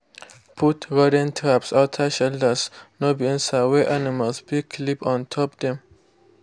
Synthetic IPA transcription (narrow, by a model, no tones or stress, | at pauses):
pʰutɹɔdə̃ntʰɹapsaʊtʰaʃɛldəsnobiĩnsaweʔaniməlsbikʰlipɔ̃ntʰɔpd̪ɛ̃m